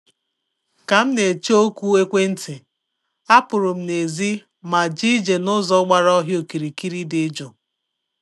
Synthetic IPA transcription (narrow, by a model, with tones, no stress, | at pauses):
ka˨m̩˦ne˨t͡ʃo˦kʷu˦e˦kʷe˦n̩˦tɪ˨ | a˦pʊ˨ɾʊ˨m̩˦ne˨zi˦ | ma˨d͡ʒi˦d͡ʒe˨nʊ˦zɔ˦ɡ͡ba˨ɾɔ˦ɦjo˨ki˨ɾi˨ki˦ɾi˦dɪ˨˦d͡ʒo˨